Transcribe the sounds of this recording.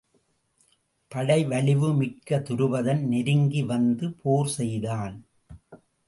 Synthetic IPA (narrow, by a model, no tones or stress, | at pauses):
pɐɽɐɪʋɐɭɪʋɯmɪʈkːɐt̪ʊɾɯʋɐðɐnnɪɾɯŋɡiʋɐnd̪ɯpʰoːɾsɛjðaːn